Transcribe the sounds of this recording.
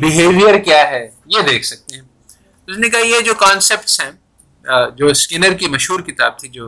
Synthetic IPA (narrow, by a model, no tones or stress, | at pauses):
bɪɦeːʋijəɾkjaːɦɛ | jed̪eːkʰsɐk̚t̪eɦɛ̃ | ʊsnekaɦjed͡ʒoːkãːnsep̚ʈsɦɛ̃ː | d͡ʒoːskɪnəɾkimɐʃɦuːɾkɪt̪a̰ːb̚t̪ʰid͡ʒoː